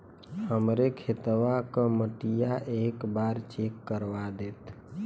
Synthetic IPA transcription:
həmɾekʰet̪ʋakəməʈijaʔeːkbaːɾt͡ʃekːəɾʋad̪eːt̪

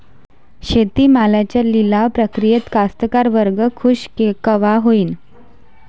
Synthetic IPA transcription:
ɕet̪iːmalat͡ɕalilaʋpɾəkɾijet̪kast̪əkaɾʋəɾɡəkʰuɕkekəʋaɦoiːn

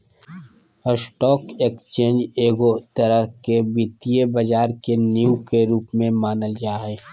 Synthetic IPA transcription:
əsʈɔːkekst͡ʃẽːnd͡ʒeːɡot̪əɾəkebɪt̪ijebɐd͡ʒaːɾkenjukeɾuːpmẽmaːnəld͡ʒaːɦɛː

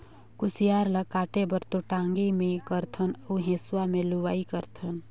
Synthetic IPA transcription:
kusijaɾləkaʈebəɾt̪oʈãŋɡimekəɾt̪ʰənəuɦẽːswameluʋaːikəɾt̪ʰən

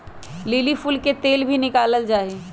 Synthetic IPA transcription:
lilifulket̪eːlbʱinɪkaːləld͡ʒaːe

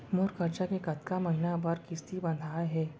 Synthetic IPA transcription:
moɾkəɾt͡ɕakekat̪kaməɦnabaɾkist̪ʰibə̃nd̪ʱajɦɛ

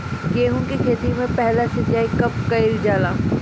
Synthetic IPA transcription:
keːɦũkikʰeːt̪imẽpɛɦlasɐd͡ʒaːikɐp̚kɐild͡ʒaːlaː

